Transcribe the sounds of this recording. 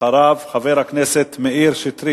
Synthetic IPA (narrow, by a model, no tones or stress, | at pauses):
aɾavχaveɾhakneset̪meʔiɾʃit̪ɾi